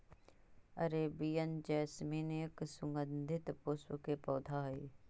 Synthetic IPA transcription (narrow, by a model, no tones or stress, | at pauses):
ɐɾeːbijənd͡ʒɛːsmiːneksʊŋɡənd̪ʱɪt̪pʊswəkepɔːd̪ʱaːɦɐi